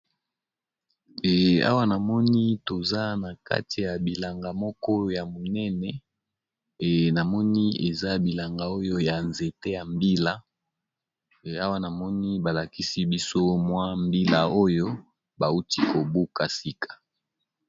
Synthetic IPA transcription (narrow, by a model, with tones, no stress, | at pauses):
ɛ˨a̰˦wa˦na˨mɔ˦ni˦to˨za˦na˨ka̰˦ti˨ja˨bi˨la˨ŋɡa˨mɔ˦kɔ˦ja˨mo˨nɛ˦nɛ˨ | na˨mɔ˦ni˦e˨za˦bi˨la˨ŋɡa˨o˦jo˦ja˨nze˨te˦ja˨mbi˦la˦˨ | a˦wa˦na˨mɔ˦ni˦ba˨la˨ki˦si˦bi˦so˦mwa˦mbi˦la˦o˦jo˦ | ba˨u˦ti˦ko˨bu˦ka˨si˦kʰḁ˨